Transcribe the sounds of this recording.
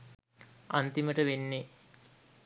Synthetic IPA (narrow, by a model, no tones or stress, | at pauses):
a̰nt̪iməʈəʋenːe